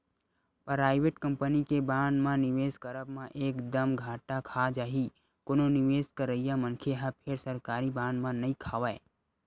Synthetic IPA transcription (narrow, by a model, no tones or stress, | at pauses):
pɾaːɪʋeʈkə̃mpənikebãːnmãnɪʋeːskəɾəbmãʔeːkd̪əmɡʱaːʈakʰad͡ʒaːɦi | kononɪʋeːskəɾəijamənkʰeɦãpʰeɾsəɾkaːɾibãːnmãnəĩkʰaːʋae